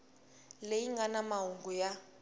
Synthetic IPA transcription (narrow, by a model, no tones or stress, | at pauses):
lejiŋɡanamaɦuŋɡuja